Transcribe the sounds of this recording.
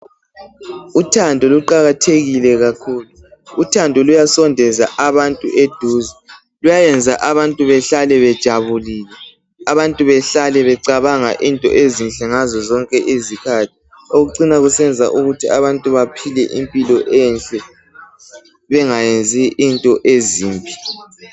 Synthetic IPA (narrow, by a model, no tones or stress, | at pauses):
utʰandʱɔluǃaɣatʰeɣilɛɣakʰuːlu | utʰandʱɔlujasɔndʱɛzaʔaβantʼṵʔed̥ʱuːzɛ | lujajɛnd͡zʱaʔaβantʼuβɛɬalɛβɛd̥ʒ̥ʱaβuliːlɛ | aβantʼuβɛɬalɛβɛǀaβaŋa̰ʔintʼɔ̰ʔezinɬʼɛŋazɔzɔŋkʼɛʔezikʰatʰi̥ | oɣuǀinaɣusɛnd͡zʱa̰ʔuɣutʰiaβantʼuβapʰilɛʔimpʼilɔʔɛnɬʼɛ | βɛŋajend͡zʱiʔːntʼɔʔeziːmbʱi